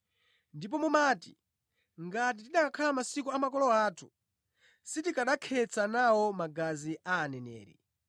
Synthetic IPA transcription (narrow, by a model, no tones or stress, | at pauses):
ndipɔmumaːti̥ | ŋɡat̬itiɗakakʰalamasikuamakɔlɔaːtʰu̥ | sitikaɗakʰɛt͡sanawɔmaɡaziʔaːnɛnɛ̰ːɾḭ